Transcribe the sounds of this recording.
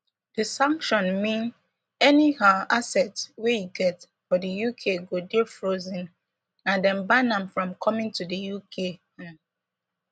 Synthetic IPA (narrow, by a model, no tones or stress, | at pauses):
d̥əsãŋkʃɔ̃nmĩn | ɛnihaasɛtwejuɡɛt | fɔdəjukʰeɡodifɹozĩn | ãndɛ̃nbanãmfɹɔ̃mkʰɔmĩŋtudəjukʰe